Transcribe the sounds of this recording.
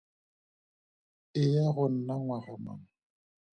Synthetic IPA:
ɪjaɣʊn̩naŋwaɣʊma̰n

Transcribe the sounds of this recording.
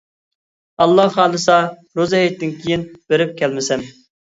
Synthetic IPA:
ɑlˠːɑɑːlˠɨsɑ | ɾozɛɦit̪ːɪnkʲʰijinb̥eɾɪp̚kʲʰɛlmɪsɛm

